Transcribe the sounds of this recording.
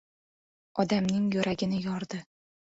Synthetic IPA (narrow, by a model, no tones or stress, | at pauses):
ɒd̪amnɪŋjɵɾaɡʲɪnɪjɒɾd̪ɪ